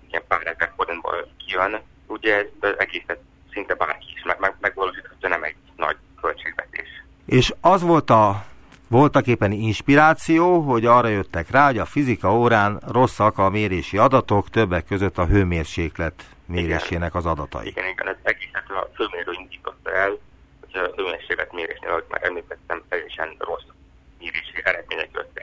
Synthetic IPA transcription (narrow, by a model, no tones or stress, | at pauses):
iɛmpaːɾɛzɛrfoɾinbo̰lkijøn | uɟɛɛzɛɡeːsɛt̪ | sint̪ɛba̰ːrkiiʃmɛmɛmɛɡvɒloːʃiːt̪hɒ̥t̪ːɔnɛmɛɟ | nɒ̰ɟ | kølt͡ʃeːɡvɛ̰t̪ḛːʃ | eːʃɒzʋo̞lt̪ɒ | vo̞lt̪ɒkeːpːɛninʃpiɾaːt̪sijoːɦo̞ɟɒːrɒjø̞t̪ːɛkraːɦo̞ɟɒfizikɒoːɾaːnro̞sːɒkɒmeːɾeːʃiɒd̪ɒt̪o̞kt̪ø̞bːɛkːøzøt̪ːɒɦøːmeːrʃeːklɛt̪ | meːɾeːʃeːnɛkɒzɒd̪ɒt̪ɒ̰jiḭɡɛniɡɛ̰nɛzɛɡeːsɛt̪ɛn̰føːmeːnɾøːind̪iːt̪o̞t̪ːɒɛl | hoɟ̥høːmeːrʃeːklɛt̪meːɾḛːʃneːlhoɟma̰ːɾɛmliːt̪ɛt̪ːɛmt̪ɛjɛʃɛnro̞s | meːɾeːʃiʔɛɾɛd̪meːɲɛkø̰t̪ːɛk